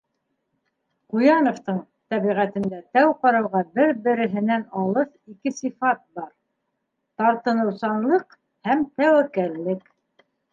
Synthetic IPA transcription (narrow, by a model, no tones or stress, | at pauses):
qujɑnŏft̪ɤɴ | t̪æβiʁæt̪ɘ̆nd̪æt̪æwqɑɾɑwʁɑbɘɾbɘ̆ɾɘ̆ɦɘ̆nænɑlˠɤθikɘsifɑt̪̚bɑɾ | t̪ɑɾt̪ɤ̆nɤ̆wsɑnlˠɤq | hæmt̪æwækællːɘk